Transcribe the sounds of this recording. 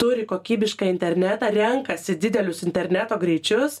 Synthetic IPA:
t̪ʊɾʲɪkoːkʲiːbʲɪʃkɐːɪnʲt̪ʲɛɾʲnʲɛt̪ɐːɾʲɛŋkɐsʲɪd̪ʲɪd̪ʲɛlʲʊsɪnʲt̪ʲɛɾʲnʲæt̪oːɡɾʲɛɪt͡ʃʲʊs

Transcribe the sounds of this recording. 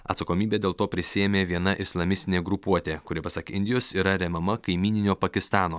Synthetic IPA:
ɐ̰t̪sɐkoːmʲiːbʲeːd̪ʲeːlˠt̪oːpʲɾʲɪsʲɪjeːmʲeːʋʲiɛnɐʔɪslˠɐmʲɪsʲt̪ʲɪnʲeːɡɾʊpuɔt̪ʲeːkʊɾʲɪpɐsɐkʲɪnʲd̪ʲɪjoːsiːɾɐɾʲɛmʲɐmɐkɐɪmʲiːnʲɪnʲoːpɐkʲɪst̪ɑːnoː

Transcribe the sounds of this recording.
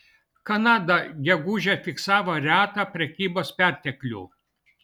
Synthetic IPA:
kɐnɑːd̪ɐɡʲɛɡuːʒʲɛfʲɪksɑːʋoːɾʲæːt̪ɑpʲɾʲɛkʲiːboːspʲæˑɾʲt̪ʲɛklʲṵː

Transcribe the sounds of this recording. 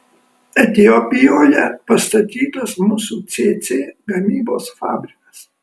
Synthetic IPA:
ɛt̪ʲɪopʲɪjoːjɛ̰pɐst̪ɐt̪ʲiːt̪ɐsmʊsuːt̪sʲeːt̪sʲeːɡɐmʲiːboːsfɑ̰ːbʲɾʲɪkɐs

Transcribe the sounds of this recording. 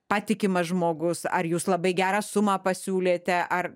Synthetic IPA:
pɑːt̪ʲɪkʲɪmɐʒmoːɡʊsɐ̰ɾjuːslˠɐbɐɪɡʲæːɾɑsʊmɑːpɐsʲuːlʲeːt̪ʲɛʔɐr

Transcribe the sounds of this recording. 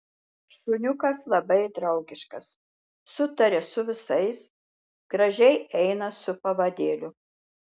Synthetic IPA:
ʃʊnʲʊkɐslˠɐbɐɪd̪ɾɐʊɡʲɪʃkɐs | sʊt̪ɐɾʲɛsʊʋʲɪsɐɪs | ɡ̥ɾɐʒʲɛɪɛɪnɐsʊpɐʋɐd̪ʲeːlʲʊ

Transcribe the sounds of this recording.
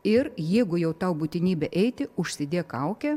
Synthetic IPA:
ɪrjɛɪɡʊjɛʊt̪ɑʊbuːt̪ʲɪnʲiːbʲɛʔɛɪt̪ʲɪʊʃʲsʲɪd̪ʲeːkɐʊkʲɛ

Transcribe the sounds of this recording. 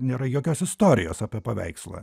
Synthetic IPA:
nʲeːɾɐjoːkʲoːsɪst̪oːɾʲɪjoːsɐpʲeɛpɐʋʲɛ̰ɪkslˠɐ̰ː

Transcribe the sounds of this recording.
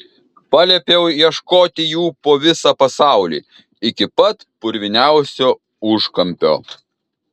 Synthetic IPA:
pɐlʲɛpʲeʊiɛʃkoːt̪ʲɪjuːpoːʋʲɪsɑːpɐsɑˑʊlʲḭː | ɪkʲɪpɐt̪pʊɾʲʋʲɪnʲæˑʊsʲoː | ʊʃkɐmʲpʲo̰ː

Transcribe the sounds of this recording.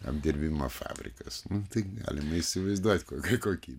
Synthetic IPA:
ɐ̰md̪ʲɪrʲbʲimɐfɑ̰ːbʲrʲɪ̰kɐsnʊt̪ɐɪɡɑ̰ːlʲɪmɐisʲɪʋɐɪzd̪uɔt̪ʲkoːkʲɐkoːkʲiː

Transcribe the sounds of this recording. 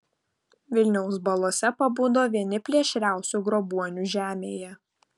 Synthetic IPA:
ʋʲɪlʲnʲɛʊs̬bɐlˠoːsʲɛpɐbuːd̪oːʋʲiɛnʲɪpʲlʲiɛʃʲɾʲæˑʊsʲuːˑɡɾɔbuɔnʲuːʒʲæːmʲeːjɛ

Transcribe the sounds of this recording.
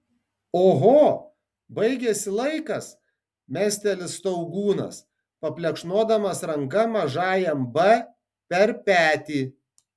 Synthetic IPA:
oːɣoː | bɐɪɡʲɛsʲɪlˠɐɪkɐs | mʲæːsʲt̪ʲɛlʲɪst̪ɐʊɡuːnɐ̰s | pɐpʲlʲɛkʃnoɔd̪ɐmɐsɾɐŋkɐmɐʒɑːjɛmbɛ | pʲɛɾpʲæːt̪ʲiː

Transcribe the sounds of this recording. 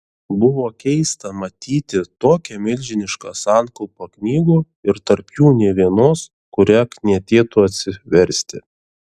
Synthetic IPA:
bʊʋoːkʲɛɪst̪ɐmɐt̪ʲiːt̪ʲɪt̪oːkʲɛmʲɪlʲʒʲɪnʲɪʃkɑːsɑˑnkʊlˠpɐknʲiːɡuː | ɪɾt̪ɐɾpjuːnʲɛʋʲiɛnoːs | kʊɾʲɛknʲɛt̪ʲeːt̪ʊɐt̪ʲsʲɪʋʲɛɾʲsʲt̪ʲɪ

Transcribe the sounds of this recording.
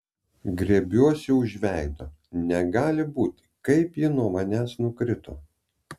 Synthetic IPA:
ɡɾʲeɛbʲuɔsʲɛʊʒʲʋʲæˑɪd̪oː | nʲɛɡɑːlʲɪbuːt̪ʲ | kɐɪpjɪnuɔmɐnʲæːsnʊkɾʲɪt̪o̰ː

